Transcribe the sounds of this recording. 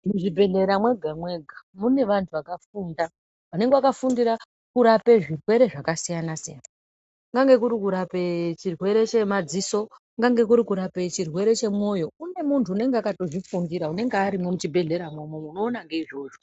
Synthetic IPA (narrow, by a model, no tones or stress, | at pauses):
muʐibʱe̞ɮe̞ɾamwe̞ɡʱamwe̞ɡʱamune̞ʋantʰuʋakafunda | ane̞ŋɡewakafundiɾa | kuɾape̞ʐirwe̞ɾe̞ʐakasijanasija̰n | ŋɡaŋɡe̞k̬uɾikuɾapet͡ʃirwe̞ɾe̞t͡ʃe̞mad͡ziso̞ | ŋɡaŋɡe̞kuɾikuɾape̞t͡ʃirwe̞ɾe̞t͡ʃe̞mwo̞jo̞une̞muntʰuːne̞ŋɡeakato̞ʐifundiɾaune̞ŋɡeaɾimwe̞mut͡ʃibʱe̞ɮe̞ɾamomomuno̞ːnaŋɡe̞iʐo̞ːʐo̞